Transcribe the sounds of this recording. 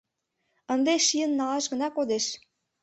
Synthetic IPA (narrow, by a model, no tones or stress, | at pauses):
ənd̪eʃiənːɑlɑʃɣə̆nɑkod̪eʃ